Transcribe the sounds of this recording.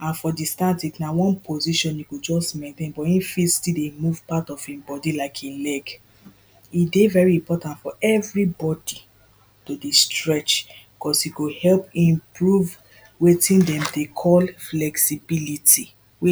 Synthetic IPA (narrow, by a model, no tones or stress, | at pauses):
ãnfɔdistatiknawɔ̃npʰoziʃɔ̃niɡod͡ʒɔsmɛ̃ntẽnbɔĩnfistidemuv̥patɔfĩbɔdilaɪkʰĩlɛɡ | idevɛɹiĩmpɔtãntfɔʔɛvɹibɔdi | todistɹɛt͡ʃbikɔsikohɛlpĩmpɹuv | wetĩndɛ̃mdekʰɔlflɛksibilitʰi | we